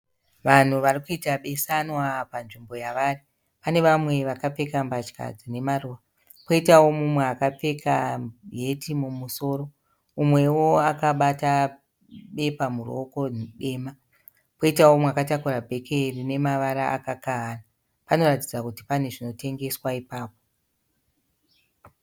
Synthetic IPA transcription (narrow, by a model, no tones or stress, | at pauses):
ʋan̤uʋarikuitaɓe̞sanwapanʐimbo̞jaʋari | pane̞ʋamwe̞ʋakap͡fe̞kambat͡ʃka̰d͡zine̞maruʋa | po̞itawo̞mumweakap͡fe̞kʰaɦe̞timumuso̞ːɾo̞ | umwe̞wo̞akaɓata | ɓe̞pamuro̰ko̞ɗe̞ːma | po̞itawo̞mwakatakuɾabʱe̞kʰerine̞maʋaɾaʔa̰kakaɦːna | pano̞ratid͡zakuti̥pane̞ʐino̞te̞ŋɡe̞swaipaːp̚o